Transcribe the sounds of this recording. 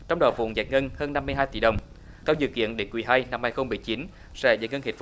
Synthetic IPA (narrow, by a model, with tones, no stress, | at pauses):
t͡ɕɔ˧wŋ͡mɗɔ̰˨˩vṵ˧˨nza̰ː˨˩jt̚ŋə˧nhəː˧nːa˧mːɨ˧jɦaː˧jt̪ḭ˧˩ɗə˨˩wŋ͡m | k̪a˧wzɨ̰˧˨kḭ˧˨ənɗe˨˦kwi˨˧˩ɦa˧jna˧mhaː˧jxə˧wŋ͡mmːɨ˨˩əjt͡ɕi˨˦n | sɛ̰˧˥zaː˨˩j̚ŋə˧nhi˨˩f